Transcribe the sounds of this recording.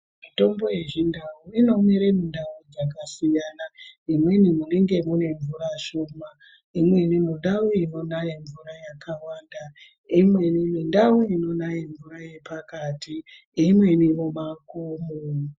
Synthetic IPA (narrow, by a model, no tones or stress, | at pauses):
mito̞mbo̞je̞ʐindawuino̞mwiɾemindaud͡zakasijanaimwe̞nimune̞ŋɡe̞mune̞ɱvuɾaʃoma | imwe̞nimoɗauino̞najiɱvurajakawaːnda | imwenimindawuino̞najiɱvuɾaje̞pakati | imwe̞niro̞ɓakoːmo